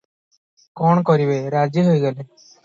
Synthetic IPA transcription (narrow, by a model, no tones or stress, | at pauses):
kɔɳkɔɾibeɾad͡ʒiɦojɡale